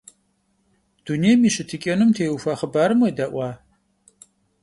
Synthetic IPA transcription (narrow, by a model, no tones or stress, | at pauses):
d̥uneːjmiːɕɨtʰɨkʲʼɐnɨmtʰeːufaːχəbaːɾɨmɐdɐʔʷɑː